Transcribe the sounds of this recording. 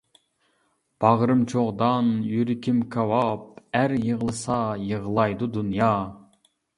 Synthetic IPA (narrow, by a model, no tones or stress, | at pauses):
b̥ɑʁɾɨmt͡ʃʰoʁd̪ɑnjyɾɪkʲʰimkʰɑwɑpæɾjəʁəlˠɨsɑjəʁəlˠɑjd̪ud̪unjɑ